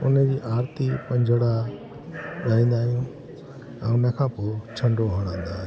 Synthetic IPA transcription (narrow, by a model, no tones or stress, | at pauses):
ʊnəd͡ʑiːʔaːɾt̪ipɐ̃ɲd͡ʑʱəɽa | ɾɐɦĩnd̪aːɾijũ | ɛ̃ːʊnəkʰãːpoːt͡ɕʰɐ̃ɳɖoɦəɽ̃ãːnd̪aː